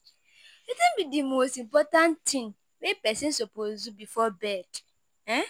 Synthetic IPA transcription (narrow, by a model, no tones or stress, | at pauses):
itɪ̃nbidimostĩm̩pɔtãntʰɪ̃n | wepɛsɪ̃nsopozubifɔbɛd | ɛ̃